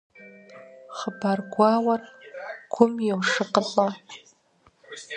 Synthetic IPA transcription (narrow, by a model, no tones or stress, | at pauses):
χəbarɡʷaːwɐrɡʷʰʊmjɛwʂɨqəɬʼa